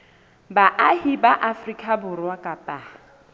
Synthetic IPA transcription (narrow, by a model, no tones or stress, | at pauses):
baʔahibaʔafrikʼabʊrwakʼapʼa